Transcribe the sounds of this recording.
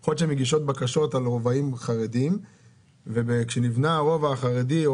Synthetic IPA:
χot̪ʃemeɡiʃo̞t̪̚bakaʃo̞t̪alʁovaimχaʁedim | vebekʃenivnaʁovaχaʁedi

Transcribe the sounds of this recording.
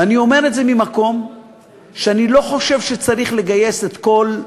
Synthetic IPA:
anio̞me̞ʁetze̞mimako̞m | ʃeanilo̞χo̞ʃe̞vʃet͡saʁiχle̞ɡaje̞se̞t̪ko̞l

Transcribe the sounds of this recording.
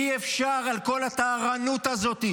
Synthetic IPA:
iefʃaʁalko̞lat̪aːʁanut̪azo̞t̪i

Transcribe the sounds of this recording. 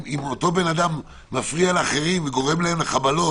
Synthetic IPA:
imo̞t̪o̞be̞nad̪amː | afʁialeaχe̞ʁimveɡo̞ʁe̞mlaemleχabalo̞

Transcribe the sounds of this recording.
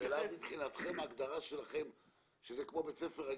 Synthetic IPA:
elamibχinat̪χe̞maːɡd̪aʁaʃe̞laχe̞m | ʃezekmo̞be̞t͡sefeʁa

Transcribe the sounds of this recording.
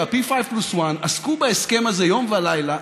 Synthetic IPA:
apifajvpluswanaskubaeske̞maze̞jo̞mvealajla

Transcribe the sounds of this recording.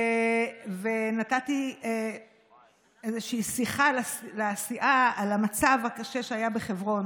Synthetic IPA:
venatat̪ie | ezeʃiːsiχalalesiʔaːlamat͡savhakaʃeʃeajabeχevʁo̞n

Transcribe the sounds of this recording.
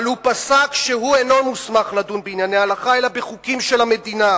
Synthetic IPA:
lupasakʃeɦueno̞musmaχlad̪unbeinjaneaalaχaelabeχukimʃelame̞d̪ina

